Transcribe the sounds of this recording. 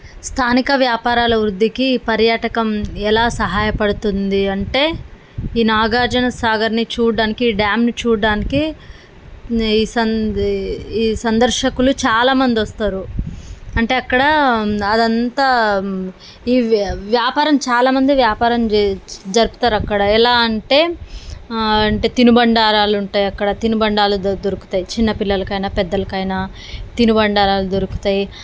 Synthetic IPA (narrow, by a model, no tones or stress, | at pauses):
st̪ʰaːnikɐʋjaːpaːɾaːlɐʋɾud̪ːikiːpɐɾjaːʈɐkɐmɛlaːsɐɦaːjɐpɐɽut̪und̪iɐɳʈe̞ː | iːnaːɡaːd͡ʒɐnɐsaːɡɐɾnit͡ʃuːɽaːnikiːɖjaːmnit͡ʃuːɽɽaːniki | isɐ | iːsɐnd̪ɐɾʂɐkulut͡ʃaːlaːmɐnd̪iʋɐst̪aːɾu | ɐɳʈe̞ːɐkːɐɽɐɐd̪ɐnt̪aː | iːʋjaːpaːɾɐmt͡ʃaːlaːmɐnd̪iʋjaːpaːɾɐmd͡ʒɐɾupu̥t̪aːɾɐkːɐɽɐɛlaːɐɳʈe̞ː | ɐɳʈe̞ːt̪inubɐɳɖaːɾaːluɳʈaːjɐkːɐɽɐt̪inubɐɳɖaːlud̪oɾuku̥t̪aːjit͡ʃinːɐpilːɐlɐkɐjnaːpɛd̪ːɐlɐkɐjnaː | t̪inubɐɳɖaːɾaːlud̪oɾuku̥t̪aːji